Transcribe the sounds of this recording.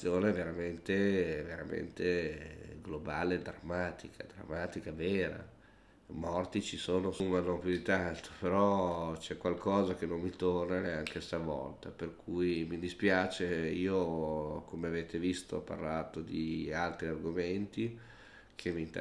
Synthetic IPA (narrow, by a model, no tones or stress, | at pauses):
joːneveɾament̪eveɾa̰mḛnt̪e | ɡlobaːleːd̪ɾamːaːt̪ikʰa̰d̪ɾa̰mːaːt̪ikavɛːɾa̰ | mɔrt̪it͡ʃisoːnosumanoŋpjud̪it̪ant̪o̥peɾɔt͡ʃɛkwalkʰɔːzak̟enonmit̪ornaneaŋkest̪avɔ̰lt̪aperkʰujmid̪ispjaːt͡ʃeiːokomeaveːt̪evist̪o̰pa̰rlaːt̪od̪ialt̪ɾiarɡoment̪i | kʰemint̪